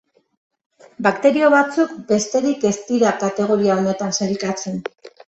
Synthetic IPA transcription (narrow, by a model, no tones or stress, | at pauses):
bakt̪e̞ɾio̞βat͡suk̚be̞st̪e̞ɾike̞st̪iɾakat̪e̞ɣ̞oɾiaone̞t̪ansalkat͡se̞n